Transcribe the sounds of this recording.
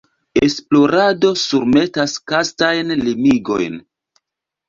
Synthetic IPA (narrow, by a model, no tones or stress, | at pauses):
e̞splo̞ɾado̞suɾme̞taskastajnlimiɡo̞̰jn